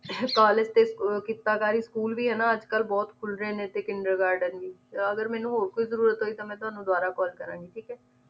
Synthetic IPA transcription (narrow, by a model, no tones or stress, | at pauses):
kaːlɪd͡ʒt̪eːskɪt̪ːaːkaːɾiːskuːlbiːɦɛːnaːəd͡ʒkəlbɔːt̪kʰʊlɾeːnẽːt̪eːkɪɳɖəɾɡaːɾɖənʋiːəɡəɾmɛ̃ːnũːɦoɾkoːizəɾuːɾət̪ɦoːiːt̪amɛ̃ːt̪ʊɦaːnũːd̪ʊaːɾaːkɔːlkəɾãːŋɡiːʈʰiːkɛː